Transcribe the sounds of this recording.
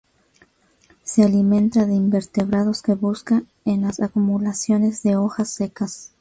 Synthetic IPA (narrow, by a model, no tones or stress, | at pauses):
sealimẽ̞nt̪aðeimbe̞ɾt̪e̞βɾað̞o̞ske̞βuska | enlasakumulasjo̞ne̞zðe̞o̞xasːe̞kas